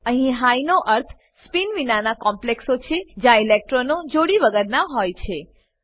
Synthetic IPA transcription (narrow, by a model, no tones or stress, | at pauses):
əɦĩɦajnoʔəɾt̪ʰ | spinʋinanakɔmpleksot͡ʃʰed͡ʒjãilek̚ʈɾonod͡ʒoɽiʋəɡəɾnãɦojt͡ʃʰe